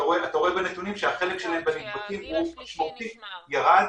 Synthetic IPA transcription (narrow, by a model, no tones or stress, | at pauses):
aʁoeat̪aʁoebenet̪unimʃeaχe̞lekʃelahembeniɡbatimumaʃmoʁt̪ijaʁad